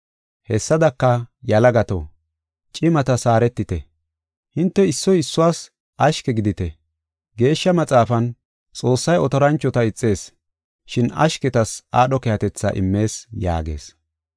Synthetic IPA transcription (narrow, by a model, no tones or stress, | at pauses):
hɛsːɐd̪ɐkːɐjɐlɐɡɐt̪o̰ː | t͡ʃʼɪmɐt̪ɐsaːɾɛt̪ːɪt̪ɛ | hɪnt̪ːɛɪsːɔjɪsːʊwaːs | ʔɐʃkɛɡɪd̪ɪt̪ɛ | ɡe̞ːʃːɐmɐt͡sʼaːfɐn | t͡sʼo̞ːsːɐjɔt̪ɔɾɐnt͡ʃːɔt̪ɐɪt͡sʼːe̞ːs | ʃɪnɐ̰ʃkɛt̪ɐsaːɗɔkɛjɐt̪ɛt͡sːa̰ːʔɪ̰mːe̞ːsja̰ːɡe̞̰ːs